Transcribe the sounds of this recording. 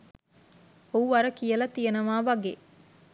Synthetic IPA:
ouʋɐɾəkijɐlɐt̪ijɐnɐʋaːʋaɡeː

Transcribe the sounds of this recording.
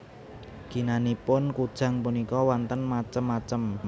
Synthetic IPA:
ɡ̥i̤nanipʊnkud̥ʒ̥a̤ŋpunikɔwant̪ənmat͡ʃəmːat͡ʃəm

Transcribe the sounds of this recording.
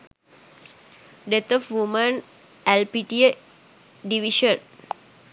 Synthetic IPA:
ɖet̪ɔfʋumə̃n | ɛlpiʈie | ɖiʋiʃə̃n

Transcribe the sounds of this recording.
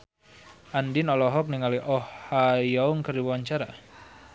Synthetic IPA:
ʔandɪnɔlɔɦɔk̚niŋaliʔɔhajauŋkəriwaɲt͡ʃaɾa̰

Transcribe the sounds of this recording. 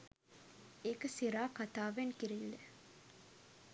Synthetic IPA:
ekəsiɾaːkat̪aːʋenkiɾilːe

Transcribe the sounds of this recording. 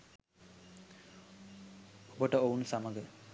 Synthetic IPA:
obəʈəounsaməɡə

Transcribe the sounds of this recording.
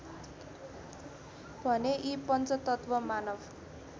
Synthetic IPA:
bʱʌneʔipʌnt͡sʌt̪ʌt̪bʌmanʌb

